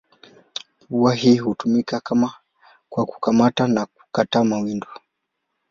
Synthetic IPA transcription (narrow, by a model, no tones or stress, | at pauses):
uwaɦihutumikakama | kwaku̥kamatanak̚u̥katamawindu